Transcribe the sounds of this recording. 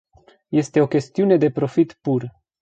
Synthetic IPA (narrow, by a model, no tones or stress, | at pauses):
je̞st̪e̞o̞kʲe̞st̪iune̞d̪e̞pɾo̞fit̪pur